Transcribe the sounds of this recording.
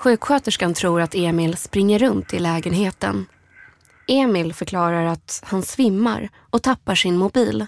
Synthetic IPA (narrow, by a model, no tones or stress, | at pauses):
ɧʉ̟ːkɧøːt̪əʂkant̪ʰɾuːɾat̪eːmɪlspɾɪŋːəɾɵnt̪ɪlɛːɡənɦeːt̪ə̰n | eːmɪlfœɾkʰlɑːɾaɾat̪hansvɪmːa̰ɾ | ɔt̪ʰapːaʂɪnmʊbiːl